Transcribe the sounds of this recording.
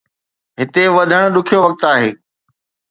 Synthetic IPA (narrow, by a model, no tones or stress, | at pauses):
ɦɪt̪eʋɐd̪ʱəɽ̃̆ɗʊkʰijoʋɐk̚t̪aːɦeː